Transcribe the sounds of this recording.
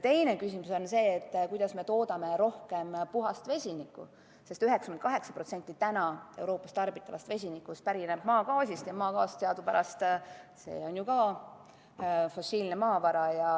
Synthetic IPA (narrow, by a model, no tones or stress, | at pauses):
t̪e̞jne̞kysʲimuso̞nse̞ːt̪ːkujd̪̥ɑsme̞t̪o̞ːd̪̥ɑme̞ɾo̞hke̞mpuɦɑst̪ve̞sʲinikːṵ | se̞st̪yɦekskymenkɑɦe̞ksɑ̥pro̞t̪se̞nʲt̪ːˑit̪ænɑe̞wɾo̞ːpːˑɑst̪ɑrbit̪ːˑɑvɑ̰st̪ve̞s̬ʲinikːˑust̪̚pæɾineb̥̚mɑːkɑːsʲist̪jɑmɑːkɑːst̪seɑd̪upæɾɑst̪se̞̰ːo̞njukɑ | fo̞silne̞mɑːvɑɾɑjɑ